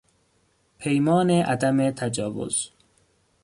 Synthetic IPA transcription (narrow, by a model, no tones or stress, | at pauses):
pʰejmɒːneʔad̪amet̪ʰad͡ʒɒːwʊ̰z̥